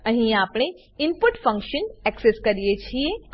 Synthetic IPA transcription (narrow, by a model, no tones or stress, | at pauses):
ɐɦĩaːpɳ̃e | ɪmpʊʈfɐ̃ŋkʃənɛkseskɐɾijet͡ʃʰiẽ